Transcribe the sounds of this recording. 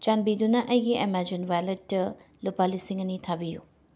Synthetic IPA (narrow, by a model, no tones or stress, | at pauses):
t͡ʃanbidunɐʔɐjɡiemad͡ʒinwajletːɐ | lupalisiŋɐnitʰabiju